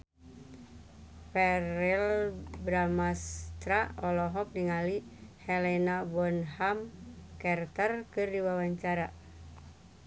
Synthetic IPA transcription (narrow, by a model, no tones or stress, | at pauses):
fɛrilbɾamast̪ɾaɔlɔɦɔk̚diŋalihɛlɛnabɔnɦamkɛrt̪ərkɨrdiwawaɲt͡ʃaɾa